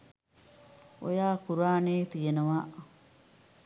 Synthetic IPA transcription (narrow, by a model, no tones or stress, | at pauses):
ʔo̰jaːkuɾaːneːt̪ijenɐʋaːʔ